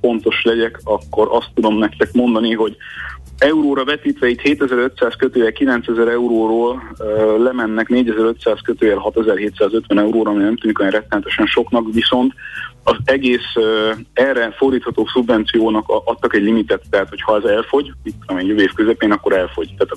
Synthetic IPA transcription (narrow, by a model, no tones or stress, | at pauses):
fo̞nt̪o̞ʃlɛɟɛkɒkːo̞ɾʔɒst̪ːud̪o̞mnɛkt̪ɛkmo̞nd̪ɒniɦo̞ɟ | ɛuɾoːɾɒvɛt̪iːt̪ʋɛit̪heːt̪ɛzɛɾø̞t̪saːskøt̪øːvɛlkilɛnt̪sɛzɛɾɛuɾoːɾoːllɛmɛnːɛkneːɟɛzɛɾøt̪saːskøt̪øːvɛlɦɒt̪ɛzɛrɦeːt̪saːzø̞t̪ʋɛnɛuɾoːɾɒmijnɛmt̪yːd̪ikjɛnrɛt̪ːɛnɛt̪ɛʃɛnʃo̞knɒkʋiso̞nt̪ɒzɛɡeːs | ɛrːɛfo̞rd̪iːt̪hɒt̪oːsubvɛnt̪sijoːnɒkɒt̪ːɒkɛɟlimit̪ɛt̪ːɛɦaːt̪ho̞chɒɛzɛlfo̞ɟmit̪ːulɔmɛɟjoveːfkøzɛpeːnɒkːo̞ɾɛlfo̞ɟt̪aːt̪